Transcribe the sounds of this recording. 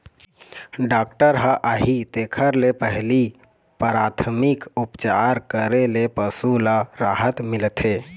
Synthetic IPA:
ɖak̚ʈəɾɦəʔaɦit̪ekʰəɾlepəɦli | pəɾat̪ʰəmikupt͡ʃaɾkəɾelepəsulaɾaɦət̪milt̪ʰe

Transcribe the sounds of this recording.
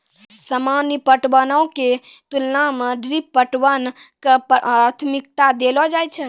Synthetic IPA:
səmanipəʈwənəwke | t̪ulnameɖɾippːəʈwən | kəpat̪ʰmik̚t̪ad̪elɔd͡ʒajt͡ʃʰə

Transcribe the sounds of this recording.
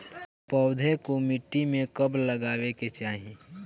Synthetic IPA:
pəʊd̪ʱekomiʈːimẽkəbləɡaːweket͡ʃaːɦi

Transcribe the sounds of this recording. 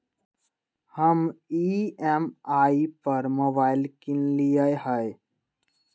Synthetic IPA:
həmiɛmaːipəɾmobaːɪlkinlijəeɦəe

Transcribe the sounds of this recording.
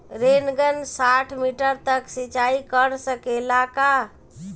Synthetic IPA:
ɾenɡənsaʈʰmiʈəɾt̪əksit͡ʃaikəɾsəkelaka

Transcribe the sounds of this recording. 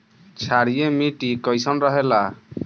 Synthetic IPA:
t͡ʃʰaɾijemiʈikɔjsɔnɾɔɦela

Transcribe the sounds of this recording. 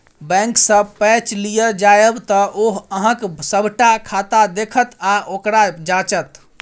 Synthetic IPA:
bɛ̃ŋksəpɛt͡ʃlijəd͡ʒajəbt̪ɔʔoɦəɦə̃ksəbʱʈakʰat̪ad̪ekʰət̪aʔokɾad͡ʒat͡ʃət̪

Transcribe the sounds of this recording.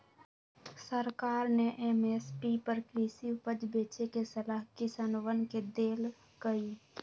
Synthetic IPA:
səɾkaːɾneʔemespipəɾkɾiːsipəd͡ʒbeːt͡ʃekesəlaːɦkɪsaːnwənked̪eːl | kəiː

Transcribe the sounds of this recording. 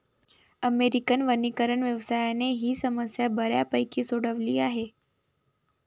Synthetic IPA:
əmeɾikənʋənikəɾəɳʋjəʋsaːjaneɦisəməsjabəɾja̰pəjkisoɽəʋliaːɦe

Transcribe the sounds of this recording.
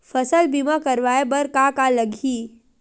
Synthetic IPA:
fɐsəlbimãkɐɾʋaːebɐɾkakalɐɡʱiː

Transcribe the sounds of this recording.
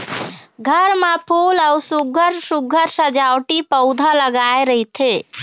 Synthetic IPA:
ɡʱəɾmapʰulawsuɡʱəɾsuɡʱəɾsəd͡ʒawʈipəʊd̪ʱaləɡaeɾəɦit̪ʰe

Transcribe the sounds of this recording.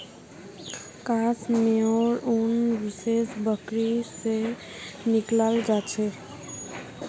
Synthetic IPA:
kasmeɔɾunbisesbəkɾise | niklald͡ʒat͡ʃʰɛ

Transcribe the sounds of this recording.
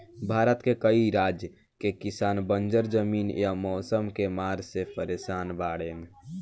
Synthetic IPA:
bʱaɾət̪kekəiɾad͡ʒjə | kekisaːnbənd͡ʒəɾd͡ʒəmiːnjamɔːsəmkemaːɾsepəɾesaːnbaːɽeːn

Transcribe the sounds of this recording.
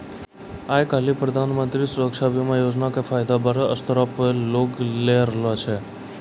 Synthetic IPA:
ajkalipɾəd̪ʱanmənt̪ɾisʊɾəksabʱjomãjod͡ʒnakefajd̪abəɾəst̪əɾəploɡleɾlat͡ʃʰe

